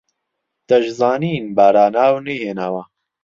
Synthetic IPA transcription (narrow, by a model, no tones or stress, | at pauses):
d̪̥ɐʒzaːniːnbaːɾaːnaːwniheːnɐwɐ